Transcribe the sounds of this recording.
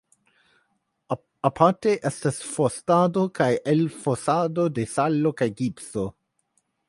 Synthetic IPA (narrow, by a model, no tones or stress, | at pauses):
apʰaɾteʔestasfostadokajelfosadodesalːokajɡipso